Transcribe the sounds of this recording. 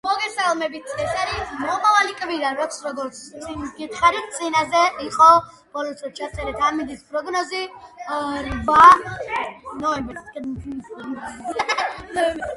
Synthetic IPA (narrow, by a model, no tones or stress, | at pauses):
mɔɡɛsalˠmɛbit̪ʰɛsaɾimɔmavalikʼviɾavakʰsɾɔɡɔɾt̪sʰʼiɡit̪ʰχaɾit̪̚ʰt̪sʼinazɛiqʼɔ | b̥ɔlɔt̪ʼɛt͡ʃʰat̪sʼɛɾɛd̪amid̪ispʼɾɔɡnɔzi | ɾba | nɔɛmbɛɾs | nɔɛb